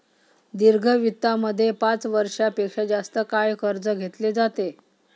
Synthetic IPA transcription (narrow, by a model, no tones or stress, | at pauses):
d̪iɾɡʱəʋit̪ːaməd̪ʱːjepat͡sʋəɾʂapekʂad͡zast̪əkajkəɾd͡zəɡʱet̪led͡zat̪e